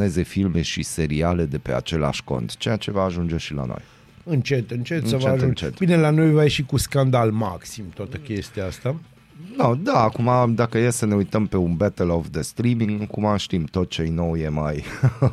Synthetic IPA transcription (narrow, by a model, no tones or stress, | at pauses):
e̞ze̞filme̞ʃise̞ɾiale̞d̪e̞pe̞a̰t͡ʃe̞la̰ʃko̞̰nt̪t͡ʃe̞jat͡ʃe̞vaːʒund͡ʒe̞ʃila̰no̰j | ɨnt͡ʃet̪ɨnt͡ʃet̪sət͡ʃeʒɨũnt͡ʃet̪binelanojvajeʃikuskand̪almaksimt̪oat̪əkʲe̞st̪iaast̪a | nod̪aːkumad̪akəjesəne̞ujt̪əmpe̞unbɛt̪əlofd̪est̪ɾimiŋɡkumaʃt̪imt̪o̞t̪t͡ʃe̞jno̞wjemaj